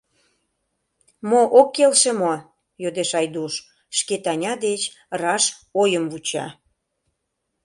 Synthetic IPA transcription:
moʔokːelʃemo | jod̪eʃɑjd̪uʃ | ʃket̪ɑnʲɑd̪et͡ɕrɑʃojəmvut͡ɕɑ̰

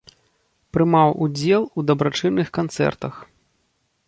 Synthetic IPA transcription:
pɾɨmawud͡zʲɛlˠud̪ɐbɾat͡ʂɨnːɨxkant̪sɛ̰rt̪ɐx

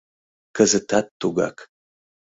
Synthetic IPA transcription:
kʰɐzɨtʰaːtʰːoɡa̰ːkʰ

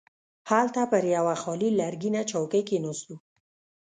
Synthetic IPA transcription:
halt̪apəɾjawaxɑlilaɾɡinat͡ʃawkəjkenost̪u

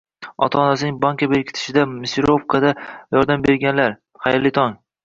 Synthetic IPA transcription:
ɒ̰t̪ʰaːnasɪnɪŋbaŋkʲabeɾkʲʰɪ̥t̪ʰɪ̥ʃɪd̪amɪsɪɾopkʰad̪ajɒɾd̪ambe̞ɾɡʲanlaɾ | χɑjɾlɪt̪ʰɒŋ

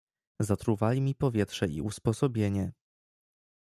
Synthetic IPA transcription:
zat̪ɾuvalʲimʲipɔvʲjɛt̪ʂɛʔḭʔuspɔsɔbʲjeɲɛ

